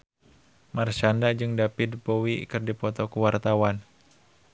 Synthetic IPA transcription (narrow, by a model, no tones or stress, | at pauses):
mart͡ʃandad͡ʒɨŋdapɪd̚powikɨrdipɔt̪ɔkuwart̪awan